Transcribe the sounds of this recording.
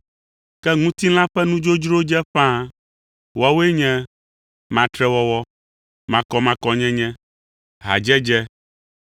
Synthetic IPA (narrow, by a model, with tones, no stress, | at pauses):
kɛ˦ŋũ˦t̪i˦l̃ã˦ɸɛ˦nũ˦d͡ʒo˦d͡ʒɾo˦d͡ʒɛ˦ɸã˦ | wɔ˦wo˦e˦ɲɛ̃˦ | mã˨t̪ɾɛ˦wɔ˦wɔ˦ | mã˨kɔ˨mã˨kɔ˨ɲɛ̃˦ɲɛ̃˦ | ɦa̰˨d͡ʒɛ˦d͡ʒɛ˦